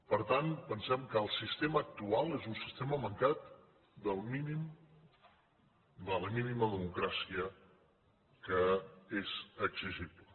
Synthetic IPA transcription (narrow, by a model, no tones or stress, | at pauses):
pəɾt̪anpənsɛmkəːlˠsist̪eməːk̚t̪ualˠezunsist̪eməməŋkat̪ | d̪əlˠminim | d̪ələminiməðəmukɾasiə | kəezəksiʒiblə